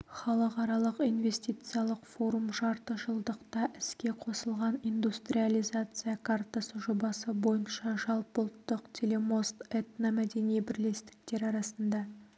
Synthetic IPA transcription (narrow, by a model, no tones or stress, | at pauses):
χɑlˠəqɑɾɑlˠəqijnve̞st̪ijt̪sɨjalˠəqfo̞ɾumʒɑɾt̪əʒəlˠd̪əqt̪ɑʔɪskʲe̞qʰo̞səlˠʁɑnind̪ust̪ɾʲialˠijzat̪sɨjakʰart̪asəʒobɑsəbo̞jənʃɑʒɑlˠpəlˠt̪ːəqt̪ʲʰe̞le̞mo̞st̪et̪namæd̪e̞nijebɪɾle̞st̪ɪ̥k̚t̪e̞ɾɑɾɑsənd̪ɑ